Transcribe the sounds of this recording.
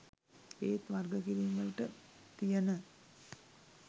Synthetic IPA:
eːt̪ʋɐrɡəkiɾiːŋɡəlʈət̪ijənə

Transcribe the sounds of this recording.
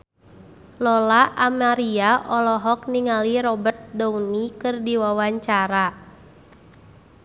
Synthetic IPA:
lɔlaʔamaɾiaʔɔlɔɦɔk̚niŋaliɾɔbərt̪̚dɔunikɨrdiwawaɲt͡ʃaɾa

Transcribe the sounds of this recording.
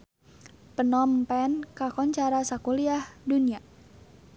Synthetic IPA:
pənɔmpɛnkakɔɲt͡ʃaɾasakuliahdunia

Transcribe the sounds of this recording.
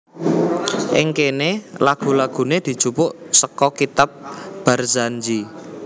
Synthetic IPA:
ʔɪŋkenelaɡ̥ṳlaɡ̥ṳned̪̥i̤d̥ʒ̥upʊʔsəkɔkit̪ap̚b̥a̤rzand͡ʒi

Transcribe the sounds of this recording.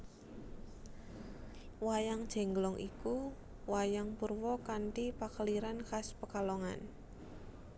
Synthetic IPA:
wajaŋd̥ʒ̥ɛ̤ŋɡlɔŋʔḭku | wajaŋpurwɔkanʈipakəliɾankaspəkalɔŋa̰n

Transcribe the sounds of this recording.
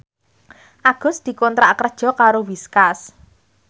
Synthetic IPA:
ʔaɡ̥ʊ̤sd̪̥i̤kɔnt̪ɾaʔkərd̥ʒ̥ɔ̤kaɾowiskas

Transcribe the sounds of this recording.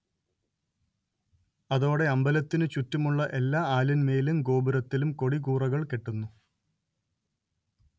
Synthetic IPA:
ɐðo̞ːɽe̞ɐmbɐlɐt̪ːinɨt͡ɕutːumuɭːɐʔe̞lːaːaːlɐnmeːlumɡo̞ːbuɾɐt̪ːilumko̞ɽikuːrɐɣɐɭke̞ʈːunːu

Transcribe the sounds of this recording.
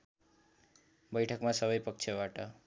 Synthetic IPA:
bʌjʈʰʌkmasʌβʌjpʌk̚t͡ʃʰʌbaʈʌ

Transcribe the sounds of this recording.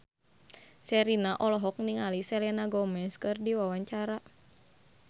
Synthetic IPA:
sɛɾinaʔɔlɔɦɔk̚niŋalisɛlɛnaɡɔmɛskɨrdiwawaɲt͡ʃaɾa

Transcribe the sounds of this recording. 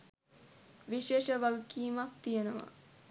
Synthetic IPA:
ʋiʃeːʃəʋalukiːmak̚t̪ijenəʋa̰

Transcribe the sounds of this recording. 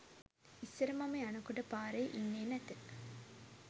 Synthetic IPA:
isːəɾəmaməjanukuʈəpaːɾejʔinːeːnæt̪ə

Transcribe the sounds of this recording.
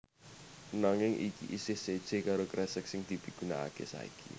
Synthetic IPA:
naŋɪŋʔikḭʔisɪhsed̥ʒ̥e̤kaɾokɾɛsəksɪŋd̪̥i̤b̥i̤ɡ̥ṳnaa̰kḛsa̰ḭkʰḭ

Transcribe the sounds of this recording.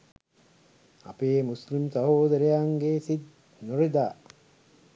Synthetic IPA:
a̰peːmuslimsaɦoːd̪əɾejaŋɡesid̪̚ | noɾid̪aː

